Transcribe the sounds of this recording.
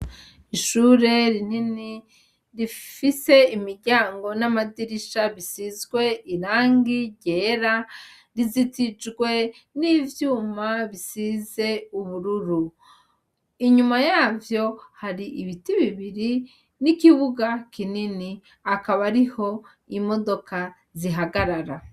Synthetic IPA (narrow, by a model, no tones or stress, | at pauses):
iʃuːɾe̞ɾinini | ɾifise̞imiɾɟaːŋɡo̞namadiɾiʃaβisizɡwe̞iɾaːŋɡiɟe̞ɾa | ɾizitid͡ʒɡwe̞ | niːvjuːmaβisize̞uβuɾuɾu | iɲumajaːvjo̞haɾiʔiβitiβiβiɾi | nikiβuɡakinini | akaβaɾiho̞ | imo̞do̞ka | ziɦaɡaɾaɾa